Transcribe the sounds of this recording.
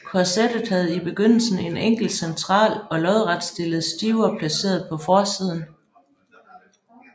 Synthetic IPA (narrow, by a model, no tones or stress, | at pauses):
kʰɒsed̥ð̩ˠhæð̞̩ˠib̥e̝ɡ̥øn̰l̩sn̩e̝neŋ̰ɡ̥l̩̥sent͡sʰʁɑ̰̈ːlɒ̽lɒ̽ðˠʁɑd̥sd̥e̝ləð̩ˠsd̥iːʊɐpʰlæse̝̰ːɐð̞̩ˠpʰɒ̽fɒːsiːð̞ˠn̩